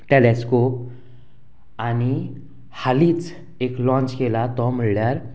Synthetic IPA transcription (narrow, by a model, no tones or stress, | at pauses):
ʈeleskop | añi | haliːt͡s | eklɔ̃nt͡ɕkelat̪ɔm̤əɭljaɾ